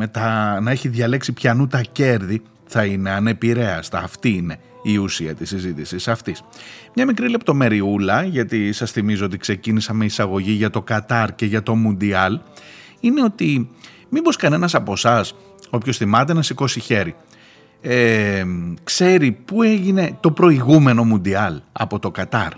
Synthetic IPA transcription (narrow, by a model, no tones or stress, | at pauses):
met̪ɐnɐe̞çiðʝɐle̞ksipçɐnut̪ɐce̞ɾði | θɐine̞ɐne̞piɾe̞ɐst̪ɐːft̪iːne̞ | iusiɐt̪isizit̪isisɐft̪ismɲɐmikɾile̞p̚t̪o̞me̞ɾiulɐʝɐt̪isɐsθimizoo̞t̪ikse̞cinisɐme̞isɐɣo̞ʝiʝɐt̪o̞kɐt̪ɐɾce̞ʝɐt̪o̞mund̪iɐl | ine̞o̞t̪i | mibo̞skɐne̞nɐsɐpo̞sɐs | o̞pço̞sθimɐt̪̬enɐsiko̞siçe̞ɾi | e | kse̞ɾipue̞ʝine̞t̪o̞pɾo̞iɣume̞no̞mund̪iɐlɐ̰po̞t̪o̞kɐt̪ɐɾ